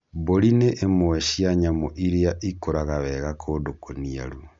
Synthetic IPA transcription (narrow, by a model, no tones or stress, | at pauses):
boɾineʔːmoeʃiaɲamoʔiɾeaʔikoɾaɣaβɛɣakʰodokonia̰ɾu